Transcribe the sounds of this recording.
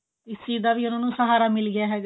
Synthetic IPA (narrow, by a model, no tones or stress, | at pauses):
ɪsiːd̪aːʋiːʊnãːnũːsəɦaːɾaːmɪlɡɪjaːɦɛːɡ